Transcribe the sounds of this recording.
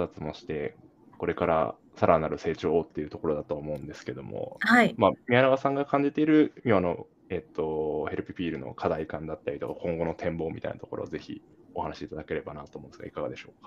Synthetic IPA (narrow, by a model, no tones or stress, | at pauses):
zat͡sɨmo̞ɕi̥t̪e̞ | ko̞ɾe̞kaɾa̰ | saɾanaɾɯ̟se̞ːt͡ɕo̞ːt̪ːe̞jiɯ̟t̪o̞ko̞ɾo̞d̪at̪oːmo̞ɯ̟̃nd̪e̞sɨ̥ke̞d̪o̞mo̰haimamʲianaɡasãŋɡakãɲ̟d͡ʑit̪eiɾɯ̟mʲoano̞̰ | e̞t̪ːo̞he̞ɾɯ̟pʲipʲiːɾɯ̟no̰kʰad̪aikãnd̪at̪ːaɾʲit̪o̞kakʰõ̞ŋɡo̞no̞t̪ʰẽ̞mbo̞ːmʲḭt̪a̰inat̪oko̞ɾo̰ːze̞çḭ | o̞hanaɕiːt̪ad̪ake̞ɾe̞banat̪oːmõnesɨɡaikaɡad̪e̞ɕo̞ːkḁ